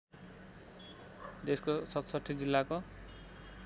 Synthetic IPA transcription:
d̪eskosʌt̪sʌt̪ʰːid͡zilːako

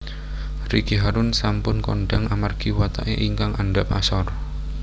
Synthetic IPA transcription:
riɡ̥iɦaɾʊnsampʊnkɔ̰ɳɖaŋʔamarɡ̥i̤wat̪a̰ʔeʔiŋkaŋaɳɖapasɔr

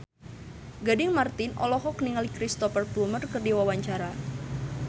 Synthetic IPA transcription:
ɡadɪŋmart̪ɪnʔɔ̰lɔɦɔkniŋalikɾist̪ɔfərplumərkərdiwawaɲt͡ʃaɾa

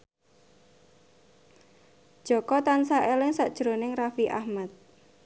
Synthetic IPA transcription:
d̥ʒ̥ɔkɔt̪ansaʔelɪŋsaʔd̥ʒ̥ɾonɪŋrafiʔa̰hmat̪̚

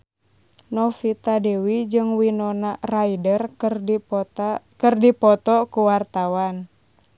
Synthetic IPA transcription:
nɔfit̪adewid͡ʒɨŋwinɔnaraidər | kɨrdipɔt̪ɔkuwart̪awan

